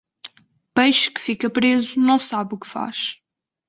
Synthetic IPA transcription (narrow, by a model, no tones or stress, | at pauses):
bɐjʃu̥kɨ̥fikɐpɾezunɐ̃w̃saβukɨ̥fa̰ʃ